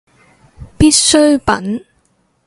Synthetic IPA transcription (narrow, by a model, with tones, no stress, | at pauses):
pi˥t̚sɵ˥ɥpɐ̰˨˥n